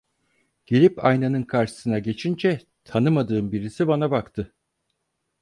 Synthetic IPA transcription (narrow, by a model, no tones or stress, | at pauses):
ɟ̥elʲipajnanɯnkʰaɾʃɯ̥sɯnaɟe̞t͡ʃʰind͡ʒɛ | t̪ʰanɯmad̪ɯːmbiɾisibanabakt̪ʰɯ